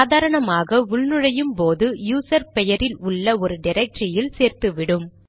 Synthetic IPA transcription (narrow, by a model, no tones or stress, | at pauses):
ðaːɾɐɳɐmaːɣɐʊɭnɯɻɐjɯmpoːðɯjuːsɐɾpɛjɐɾɪlʊɭːɐɔɾɯɖɪɾɐk̚ʈrɪjɪlseːɾt̪ɯʋɪɽɯm